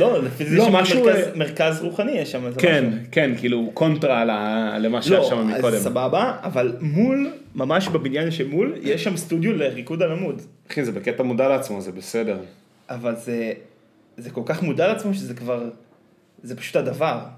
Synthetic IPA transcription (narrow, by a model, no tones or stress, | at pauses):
lolefizejomaʃeukameʁkazʁuχanijeʃamaskeenkenkiilukʰo̞ntʁalalemaʃleojʃamamikod̪emsababaːvalmul | mamaʃbabinjanʃemuljeʃːamst̪udjoleʁikudalamudaχinzebeket̪amudaleat͡smo̞zebesede̞ʁ | ʔavalze | zeko̞lkaχmudaleat͡smo̞ʃezekvaʁ | zepḁʃu̥thadavaʁ